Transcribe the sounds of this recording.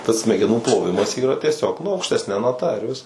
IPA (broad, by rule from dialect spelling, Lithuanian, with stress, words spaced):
tɐs sʲmʲɛɡʲɛˈnuː plˠoːˈʋʲɪmɐs ˈiːrɐ tʲiɛˈsʲoːk nʊ ɐʊkʃʲtʲɛsʲˈnʲɛ nɐˈtɐ ɪr ˈʋʲɪskɐs